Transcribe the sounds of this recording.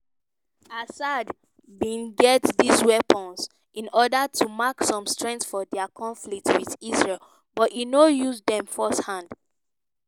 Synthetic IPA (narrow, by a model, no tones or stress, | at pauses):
asad | bĩnɡɛtdiswɛpʰə̃ns | ĩnɔdatumaksɔ̃mstɹɛ̃nsfɔdɛakʰɔ̃nflik̚twiðisɹɛl | bɔtinojuzdɛ̃mfɔsthãnd